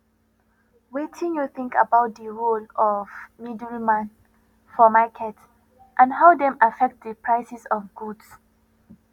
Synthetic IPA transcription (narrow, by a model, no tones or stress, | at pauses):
wetʰĩŋjuθĩŋka̰baʊt̚dəɹolɔvmidɹimãn | fɔmakʰɛt | ʔãnɦaʊdɛ̃mafɛk̚t̚dəpʰɹaɪsɛsɔ̃vɡuds